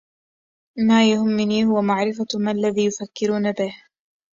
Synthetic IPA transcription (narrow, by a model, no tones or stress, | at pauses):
maːjahʊmːɪniːhʊwamaʕɾɪfamalːaðiːjʊfakːɪɾuːnabɪh